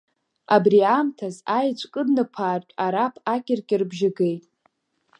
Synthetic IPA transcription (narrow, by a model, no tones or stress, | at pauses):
abriamtʰazajt͡ʃʷʰʼkʼɨdnɨpʰaːrkʲʼaɾapʰakʲʼɪrkʲʼɪrbʒɪɡejtʼ